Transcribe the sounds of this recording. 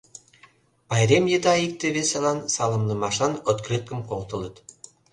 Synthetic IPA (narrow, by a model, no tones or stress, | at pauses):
bɑjɾemjed̪ɑik̚t̪eβesɑlˠɑnsɑlˠɤ̆mnɤmɑʃɑnŏt̪kɾʲet̪̚kə̆mqolt̪ɤ̆lˠɤt̪